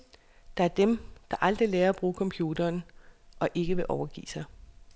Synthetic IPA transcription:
d̥ɑ̈æɐd̥emd̥ɑ̈ʔɑ̈ld̥ʁilɛːɐb̥ʁuːkʰɒ̽mpʰjuːd̥ɐːnʔɒ̽ʔe̝ɡ̥əʋe̝ʔɒʊɐɡ̥ḭːsɑ̈ɪ

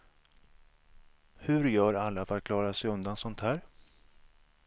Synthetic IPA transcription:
hɵɾjœːɾalːafat̪̚kʰlɑːɾasɛjɵnd̪ansɔnt̪hæːɾ

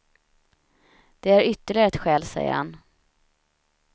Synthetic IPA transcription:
d̪̥ɛæɾʏt̪ːəɭɪɡəɛt̪ɧɛːlsɛ̰jə̰ɾha̰n

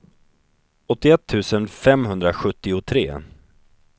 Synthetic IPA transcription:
ɔt̪ːɪɛt̪ʰːʉ̟ːsənfɛmɦɵnd̪ɾaɧɵt̪ːɪʊt̪ʰɾḛː

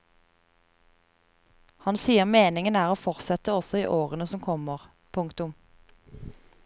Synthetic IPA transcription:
hɑnsiːəʁmeːnɪŋənæːʁoːfɔʁsɛt̪əɔsɔiːʔoːʁənəsɔmkʰɔməʁ | pʰʊŋkt̪ʊm

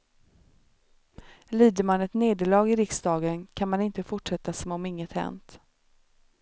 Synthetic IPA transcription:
liːd̪əɾmanɛt̪neːd̪əɭɑːɡɪɾɪksd̪ɑːɡənkʰanmanɪnt̪əfʊʈʂɛt̪ːasɔmɔmɪŋːət̪hɛ̰nt̪

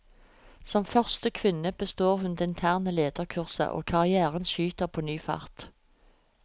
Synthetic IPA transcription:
sɔmfœʁst̪əkʰʋɪnəb̥əst̪oːʁhʉnd̪ɛːɪnt̪ʰæːʁnəleːd̪əʁkʰʉʁsə̰ʔo̰ːkʰɑʁɪæːʁənʃyːt̪əʁpʰoːnyːfɑ̰ʁt̪

